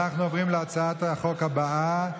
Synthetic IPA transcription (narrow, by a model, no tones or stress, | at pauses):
aχnuovʁimleat͡saat̪aχo̞khabaa